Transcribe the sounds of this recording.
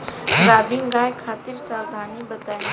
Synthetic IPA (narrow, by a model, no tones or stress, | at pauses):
ɾaːbiŋɡaːjkʰaːt̪iɾsaːd̪ʱaːnibɐt̪aː